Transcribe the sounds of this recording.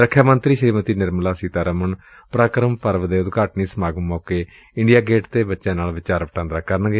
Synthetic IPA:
ɾəkʰjaːmənt̪ɾiːʃəɾiːmət̪iːnɪɾmlaːsiːt̪aːɾəmən | pɾaːkɾəmpəɾʋd̪eːʊd̪ɡaːʈniːsəmaːɡəmɔːkeː | ɪɳɖijaːɡeːʈt̪eːbətːʃãːnaːlʋɪt͡ʃaːɾʋəʈãːnd̪ɾaːkəɾnɡeː

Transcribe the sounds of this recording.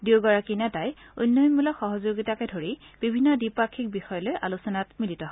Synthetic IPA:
diwɡɔɹakinataj | unːɔjnmulɔxɔɦɔzoɡitakɛdʱoɹib̥ibʱinːɔdipakʰːik̚bixɔjɔlojʔalusɔnatmilitɔɦɔ

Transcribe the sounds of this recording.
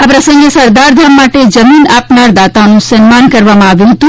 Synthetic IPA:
apɾəsə̃ŋɡesəɾd̪aɾd̪ʱamːaʈed͡ʒəminapnaɾd̪at̪anũsənmankəɾʋamãaʋjũɦət̪ũ

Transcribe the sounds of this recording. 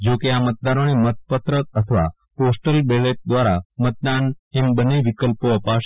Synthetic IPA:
d͡ʒokeamət̪̚d̪aɾonemət̪̚pət̪ɾəət̪ʰəʋa̰ | posʈəlbeleʈ̚d̪ʋaɾamət̪̚d̪anembəneʋikəlpoəpaʃ

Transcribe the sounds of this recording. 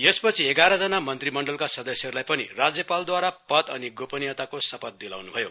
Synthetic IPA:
jespʌt͡sʰieɡaɾʌd͡zʌnamʌnt̪rimʌɳɖʌlkasʌd̪ʌsjʌɦʌɾulajpʌnḭrad͡zjʌpald̪waɾapʌt̪ʌniɡopʌnijʌt̪akosʌpʌt̪̚d̪ila̰wnubʱʌjo̰

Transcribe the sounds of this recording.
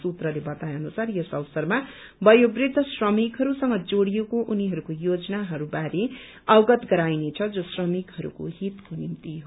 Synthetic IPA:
sut̪rʌlebʌt̪ajʌnusarjʌsʌwsʌrma | bʌjobrid̪ʱːʌsrʌmikɦʌɾusʌŋɡʌd͡zoɽijekoʔuniɦʌɾukojod͡zʌnaɦʌɾubaɾe | ʌwɡʌt̪ɡʌɾajnet͡sʰʌd͡zosrʌmikɦʌɾṵko̰ɦit̪konimt̪iɦo

